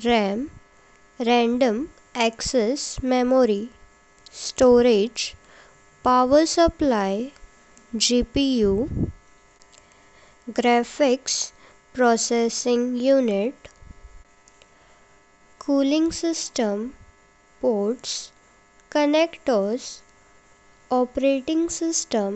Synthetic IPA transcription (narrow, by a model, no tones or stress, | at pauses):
ɾɛ̃m | ɾɛ̃ɳɖə̃m | ɛksesmemoɾi | sʈoɾed͡ʒ | paʋəɾsəplaj | d͡ʑipiju | ɡɾɛfiks | pɾɔsesɪ̃ŋɡjuniʈ | kʰulĩŋɡsisʈəm | poɾʈs | kənekʈəɾs | ɔpɾeʈĩŋɡsɪsʈəm